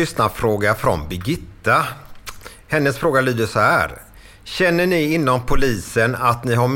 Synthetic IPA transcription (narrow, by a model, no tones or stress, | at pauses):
ʏsnafɾoːɡafɾɔ̰nbɪɡɪt̪ːa | hɛnːəsfɾoːɡalyːd̪əʂɔhæ̰ːɾ | ɕɛnːəɳɪɪnːɔmpʰʊliːsənat̪nɪɦaɾm